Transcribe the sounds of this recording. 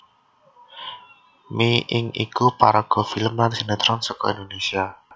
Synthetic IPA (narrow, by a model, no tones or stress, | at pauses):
miʔɪŋḭkupaɾaɡ̥ɔ̤filəmlansinat̪ɾɔnsɔkɔind̪onesia